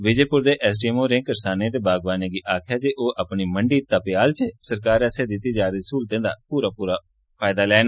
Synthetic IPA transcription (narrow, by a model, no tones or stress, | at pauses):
ʋɪd͡ʒeːpʊɾd̪eːʔɛs̬ʈiːɛmoːɾẽːkəɾsaːnẽːt̪eːbaːɡʋaːneːɡiːʔaːkʰjaːd͡ʒeːʔoːʔəpniːməɳɖiːt̪apɪjaːlt͡ʃəsəɾkaːɾɛːseːd̪ɪt̪ːiːd͡ʒaːɾiːsuːlt̪ẽːnd̪a̰ːpuːɾaːpuːɾaː | pʰaːjd̪aːlɛːna